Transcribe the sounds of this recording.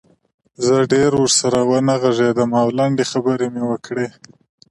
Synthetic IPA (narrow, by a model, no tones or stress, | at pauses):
zəɖeɾwəɾsaɾawənaɣaʒed̪əmɑwlaɳɖexabəɾemewəkɽe